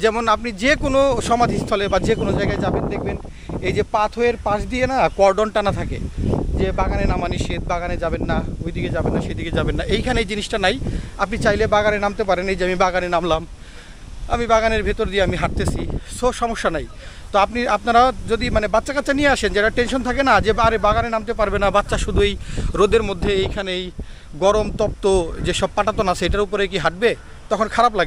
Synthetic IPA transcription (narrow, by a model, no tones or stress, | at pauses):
d͡ʑɛmonap̬nid͡ʑekonoʃɔmad̪ʱist̪ʰɔlebad͡ʑekonod͡ʑaeɡaed͡ʑabend̪ek̚ʰben | ejd͡ʑepat̪ʰoeɾpaʃd̪ijenakɔɾɖonʈanat̪ʰakḛd͡ʑebaɡanenamaniʃet̪̚baɡaned͡ʑabenːaojd̪iked͡ʑabenːaʃejd̪iɡed͡ʑabenːaʔejkʰaneejd͡ʑiniʃʈanajap̬nit͡ɕajlebaɡanenamt̪epaɾenejd͡ʑeamibaɡanenamlam | a̰mibaɡaneɾbʱit̪oɾd̪ieamiɦaʈ̚t̪et͡ɕʰiʃoʃɔmoʃːanaj | t̪oapniapnaɾad͡ʑod̪imanebatːʃakatːt͡ɕanijeaʃend͡ʑeʈaʈenʃont̪ʰakenad͡ʑeaɾebaɡanenamt̪̬epaɾbenabatːɕʃaʃud̪ʱuejɾod̪eɾmod̪ʱːeejkʰanej | ɡɔɾomt̪ɔp̚t̪od͡ʑeʃɔb̚paʈat̪onasejʈaɾupoɾek̬iɦaʈ̚be | t̪ɔkʰonkʰaɾap̬laɡe